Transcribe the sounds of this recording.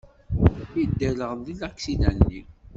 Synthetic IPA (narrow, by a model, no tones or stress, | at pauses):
id̪ːələʁðilækːsiðæ̰nːi